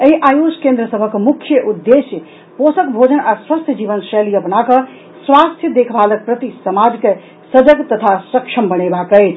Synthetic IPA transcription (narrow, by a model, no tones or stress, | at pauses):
eiʔajoskẽnd̪ɾəsəbʱəkmukʰːjəʔud̪ːesjə | posəkbʱod͡ʒənaswəst̪ʰjəd͡ʒibənseliəpnakə | swast̪ʰjəd̪ekʰbalək̚pɾət̪isəmad͡ʒke | səd͡ʒəɡt̪ət̪ʰasəkʃʰəmbənebakəjt͡ʃʰ